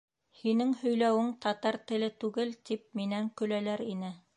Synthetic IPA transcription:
hinɘŋhɵ̆jlæwɘŋt̪ɑt̪ɑɾt̪ɘ̆lɘt̪ʉɡɘlt̪ip̚minæŋkɵ̆lælæɾinɘ

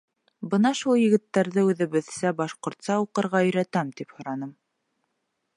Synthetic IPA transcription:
bɤnɑʃulˠjɘ̆ɡɘ̆t̪ːæɾðɘʉðɘ̆βɘ̆ðsæbɑʃqŏɾt̪sɑuqɤ̆ɾʁɑɵ̆jɾæt̪æmt̪iphŏɾɑnɤm

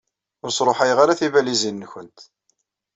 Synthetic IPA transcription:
ʊɾsˤɾˤoħajʁaɾaθivælizinːçənt̪

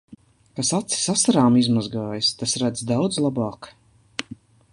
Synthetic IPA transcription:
kasat̪si̥sasaɾaːmizmazɡaːjst̪asɾad̪zd̪awd̪zlˠabaːk

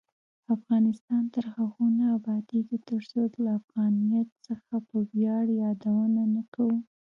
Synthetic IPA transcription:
afɣɑnɪst̪ɑnt̪əɾhaɣunaːbɑd̪iket̪əɾsod̪laːfɣɑnijat̪səxapəbjɑɽjɑd̪awənanakawu

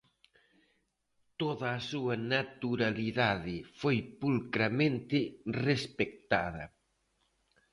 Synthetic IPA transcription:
t̪oðɐːsuɐnat̪uɾaliðaðɪfojpulkɾamẽnt̪ɪrespek̚t̪a̰ðɐ̰

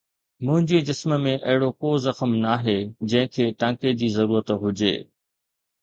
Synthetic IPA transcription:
mʊ̃ɦɪ̃ɲd͡ʑiːd͡ʑɪsməmẽʔɐɦɪɽokoːzɐxəmnaːɦed͡ʑɐ̃ɦɪ̃kʰeːʈãːked͡ʑiːzɐɾuːɾət̪ɦʊd͡ʑḛː

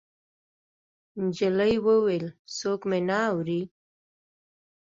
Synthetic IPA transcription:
nd͡ʒələjwəwelsokmenaːwɾi

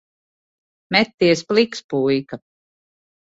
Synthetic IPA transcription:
mɛt̪ːiɛsplˠikspujka

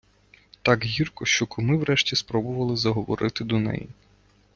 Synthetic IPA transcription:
t̪ɑkɦirkɔʃt͡ʃɔkɔmɪwɾɛʃtʲispɾɔbʊʋɐlˠɪzɐɦɔʋɔ̰ɾʔɪt̪ɪd̪ɔnɛ̰jḭ

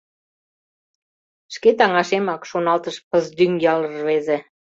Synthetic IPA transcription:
ʃket̪ɑŋɑʃemɑkʃonɑlt̪əʃpəzd̪yŋjɑlərβeze

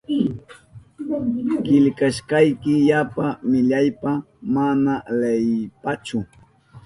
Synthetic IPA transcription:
kɪʎkaʃkɑjkɪjapamɪʎajpa | manalejpat͡ʃʊ

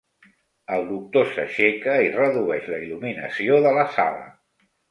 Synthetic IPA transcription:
əlˠd̪uk̚t̪osə̰ʃekəirəðuɛʃləiluminə̰sioðələsa̰lə̰

